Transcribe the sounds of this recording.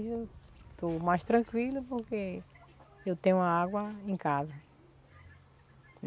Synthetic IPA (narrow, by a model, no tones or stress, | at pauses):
ewt̪omajʃt̪ɾɐ̃kwilɐpoɾke | ewt̪ẽɲũɐaɡwɐẽj̃kazɐ